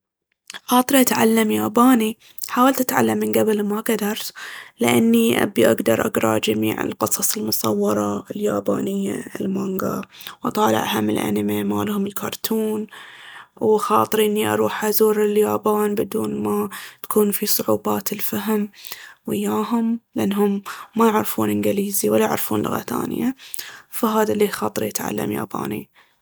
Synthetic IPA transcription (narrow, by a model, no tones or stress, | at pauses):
xɑːt̪ˤɨɾiʔat̪ʕalːamjaːbaːni | ħaːwalt̪ʔat̪ʕa̰lːamːɪnɡabɪlmaɡad̪ɑɾˤtlɪʔanːiʔa̰biʔa̰ɡd̪ɑɾˤʔaɡɾˤɑ̰d͡ʒamḭːʕɪ̰lqɨsˤɑsˤɪlmʊsˤɑwːɑɾˤɑɪljaːba̰ːnɪjːa̰lmaŋɡa̰wʔɑ̰t̪ˤɑːlɪ̰ʕhamːɪ̰lʔa̰nɪmema̰ːlhʊmɪlkʰɑːɾˤt̪ʰuːn | wxɑːt̪ˤɨɾiʔɪnːiʔɑ̰ɾˤuːħʔazuːɾɪljaːbaːnbɪd̪uːnmat̪ḁkʰuːnfisˤʊʕuːbaːt̪ɪlfaɦɪmwɪjːaːɦʊmlʔanːɦʊmːajɪʕɾfuːnʔɪnɡɪliːziwalːajɪʕɾfuːnlʊ̰ɣa̰θa̰ːn̰jafaɦaːðaliːxɑːt̪ˤɨɾijɪt̪ʕa̰lːa̰mja̰ːba̰ːnḭ